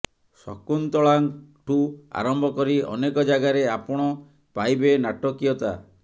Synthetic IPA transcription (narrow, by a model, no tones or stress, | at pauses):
sɔ̰kunt̪ɔɭaŋʈua̰ɾɔmbʱɔkɔɾiɔ̰nekɔd͡ʒaɡaɾeapɔɽ̃ɔ | pajbenaʈɔkijɔt̪a̰